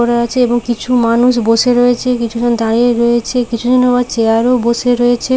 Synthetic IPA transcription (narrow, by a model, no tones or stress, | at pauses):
ɔɾaɾat͡ɕʰeeboŋkit͡ɕʰumanuʃboʃeɾɔjet͡ɕʰekit͡ɕʰud͡ʑond̪aɽieɾɔet͡ɕʰekit͡ɕʰud͡ʑonobad̪t͡ʃeaɾoboʃeɾɔjet͡ɕʰe